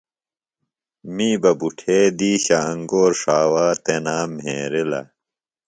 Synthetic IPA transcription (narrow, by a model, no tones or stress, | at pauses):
miːbɐbuʈʰeːd̪iːɕaɐŋɡoːɾʂaːwaːt̪enaːmɦḛːɾelɐ̰